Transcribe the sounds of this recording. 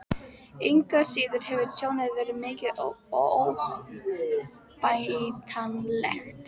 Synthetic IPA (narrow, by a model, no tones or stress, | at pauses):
ejŋkasiːðʏɾ̥hɛvʏɾsʰjoːwnɪðvɛːɾɪmɪːcɪðoow | pajt̪ʰanlɛ̰xt̪